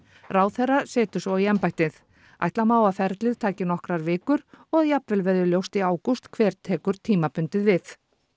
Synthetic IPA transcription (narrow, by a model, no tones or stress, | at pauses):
raːwθɛrːasɛːt̪ʏ̥svɔiɛmpajht̪ɪθ | a̰jht̪lamaːwafɛɾt̪lɪðt̪ʰaːcɪnɔhkɾaɾvɪːkʏɾɔɣðjapvɛlvɛðʏljowst̪iaːwkust̪kʰvɛːɾ̥t̪ʰɛːkʏɾ̥t̪ʰiːmapʏnt̪ɪðvɪθ